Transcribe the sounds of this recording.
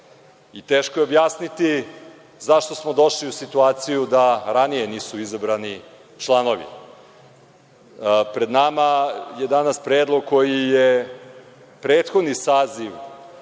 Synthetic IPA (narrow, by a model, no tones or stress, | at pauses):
it̪eːʃkojeobjaːsnit̪i | zaʃt̪o̞smo̞d̪o̞ʃliusit̪uaːt̪sijud̪aɾanijeniːsuizabɾani | t͡ʃlˠanoʋḭ | pɾe̞d̪namajed̪anaspɾeːd̪lˠo̞ɡ̚ko̞jije | pɾeːt̪xod̪nisaːziʋ